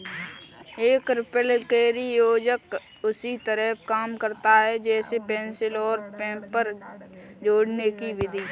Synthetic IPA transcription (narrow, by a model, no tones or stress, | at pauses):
eːkɾɪpəlkeːɾijoːd͡ʒək | ʊsit̪əɾəpkaːmkəɾt̪aɦɛd͡ʒɛːsepɛ̃ːnsɪlɔːɾpɛ̃ːpːəɾ | d͡ʒoːɽnekiʋɪd̪ʱi